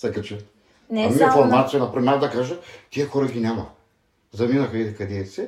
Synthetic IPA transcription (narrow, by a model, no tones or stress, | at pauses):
sɛkɐt͡ʃɛ | ɐmiɛfoɾmat̪sijɐnɐpɾmʲavd̪ɐkaʒɐt̪iəxɔɾɐɡʲinʲamɐ | zɐminɐxɐikɐd̪ɛsɛ